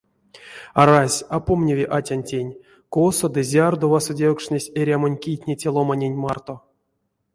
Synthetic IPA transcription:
aɾasʲapomnʲevʲiʔatʲanʲtʲenʲ | kosod̪ɨzʲard̪ovasodʲekʂnʲesʲeɾʲamanʲkʲijtʲnʲetʲelˠomanʲenʲmart̪o̞

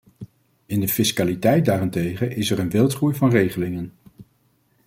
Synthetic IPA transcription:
ɪndəfɪskalitɛjt̚daːrɪntejχəʔɪsɛrənʋɪlˠtχujvɑnrejχəlɪŋən

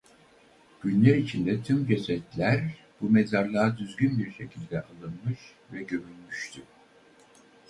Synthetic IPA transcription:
ɟ̥ynlʲæɾit͡ʃʰind̪ɛt̪ʰymd͡ʒesɛt̪lʲæɾ | b̥umezaɾlˠaːd̪yzɟynbiɾʃe̞cʰilʲd̪ɛʔalˠɯnmɯʃ | vɛɟømynmyʃt̪ʰy

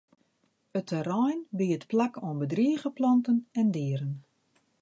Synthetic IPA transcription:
ətʰəɾɔjnbiətplakʰoənbədriəɣəplɑntənɛndɪːəɾən

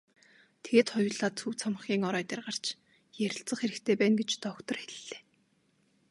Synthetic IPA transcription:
t̪ʰeɣeːt̪χɔjʊːɮaːt̪t͡sʰɵwt͡sʰamə̆χɡʲiːŋɔɾœːt̪ʲiːrʁar̥t͡ɕ | jæɾʲɪ̆ɬt͡sə̆χxeɾɘ̆kt̪ʰeːpæːnɡet͡ɕt̪ɔkt̪ɞ̆rxeɮɘɮe̥ː

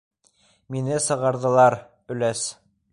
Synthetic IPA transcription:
minɘsɤ̆ʁɑɾðɤ̆lˠɑɾ | ɵ̆læs

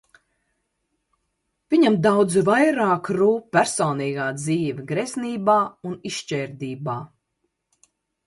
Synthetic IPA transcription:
v̥iɲamd̪awd̪zvajɾaːkɾuːpʲæɾsɔːniːɡaːd̪ziːvʲiɡɾɛsniːbaːuniʃt͡ʃɛːɾd̪iːbaː

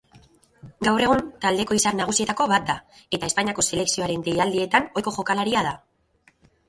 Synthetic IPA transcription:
ɡawre̞ɣunt̪ald̪e̞ko̞isaɾnaɣ̞usie̞t̪ako̞βat̪̚d̪ae̞t̪ae̞spaɲiako̞se̞le̞ksio̞aɾe̞nd̪ejald̪ie̞t̪ano̞jko̞ʝo̞kalaɾiað̞a

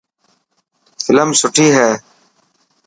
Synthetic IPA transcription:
fɪləmsʊʈʰiːɦɛː

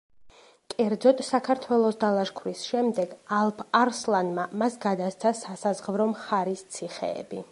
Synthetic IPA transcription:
kʼɛɾd̪zɔt̪ʼsakʰaɾt̪ʰwɛlˠɔsd̪alˠaʃkʰwɾisʃɛmd̪ɛɡalˠpʰaɾslˠanmamasɡad̪ast̪sʰasasazʁvɾɔmχaɾist̪sʰiχɛ̰ːbi

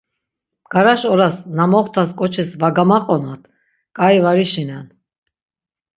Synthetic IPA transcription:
ɡ̥aɾaʃɔɾasnamɔχt̪ʰaskʼɔt͡ʃʰɛsvaɡamaqʼɔnat̪ʰ | kʼaivaɾiʃinan

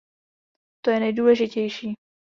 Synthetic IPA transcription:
t̪o̞jɛnɛjduːlɛʒɪcɛjʃiː

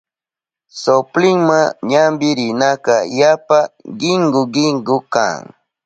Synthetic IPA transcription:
soplɪŋmaŋɲambɪɾɪnakajapaɢɪŋɡʊɢɪŋɡʊka̰ŋ

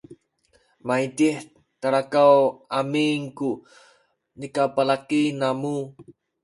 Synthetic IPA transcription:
maitiħ | t̪aɾakawamiŋku | nikapalakinamu

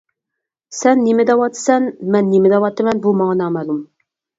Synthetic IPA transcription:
sɛnːemɪd̪ɛwɑt̪ʰːɨ̥sɛnmɛnːemɪd̪ɛwɑt̪ːɨmɛnbumɑŋnɑmælˠum

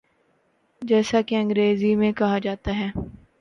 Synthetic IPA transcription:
d͡ʒɛːsakeɐ̃ŋɡɾeːzimẽkɐɦad͡ʒaːt̪aɦɛː

